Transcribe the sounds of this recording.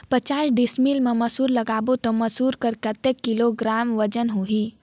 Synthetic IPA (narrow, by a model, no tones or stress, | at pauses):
pət͡ʃaːsɖismilmeməsuːɾləɡaːbot̪ɔməsuɾkəɾkət̪ekːiloɡɾaːmʋəd͡ʒənɦuɦi